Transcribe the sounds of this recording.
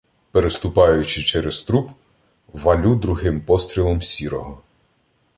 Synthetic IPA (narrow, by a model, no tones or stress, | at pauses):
peɾest̪ʊpɑjʊt͡ʃɪt͡ʃɛɾest̪ɾup | ʋɐlʲud̪ɾʊɦɪmpɔst̪ʲɾʲilˠɔmsʲiɾɔɦɔ